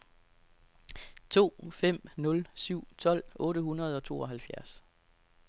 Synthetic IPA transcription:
t͡sʰo̝̰ːfem̰nɔ̽lsyʊ̰t͡sʰɒ̽l̰ʔɔ̽ːɾəhunɐð̞ˠɒ̽t͡sʰo̝̰ːɒ̽ɦælfjæɐs

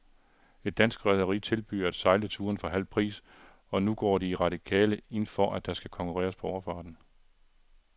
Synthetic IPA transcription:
e̝d̥ːænsɡ̥ʁɛðˠɐʁḭːt͡sʰe̝lb̥y̰ːɐæd̥sɑ̈ɪlət͡sʰuːɐnfɒ̽ɦæl̰pʰʁḭːs | ɒ̽nuɡ̥ɒ̰ːɾiːʁɑ̈ɾ̥ikʰɛ̰ːləe̝nfɒ̽ʔæd̥ɑ̈sɡ̥ækʰɒ̽ŋkʰuʁɛ̰ːɐspʰɒ̽ɒʊɐfɑ̈ːd̥n̩

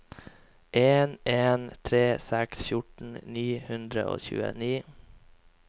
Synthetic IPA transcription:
ʔeːneːnt̪ʰɾeːsæksfjʊʈɳ̩niːhʉnd̪ɾə̰ʔo̰ːçʉ̰ːə̰niː

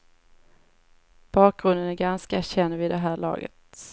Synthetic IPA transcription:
b̥ɑːk̚ɡ̥ɾɵnd̪ənæɾɡanskaæɕɛnːvɪd̪ɛɦæːɾɭɑ̰ːɡə̰t̪

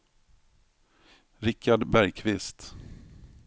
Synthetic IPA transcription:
ɾɪkːaɖbæɾjkʰvɪst̪

